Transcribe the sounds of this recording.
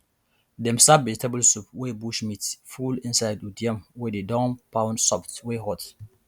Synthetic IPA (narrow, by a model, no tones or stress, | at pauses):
dɛ̃msabbɛzitʰabəlsupwebuʃmitfulĩnsajdudiãmwɛdedɔ̃mpãʊnsɔptweɦɔt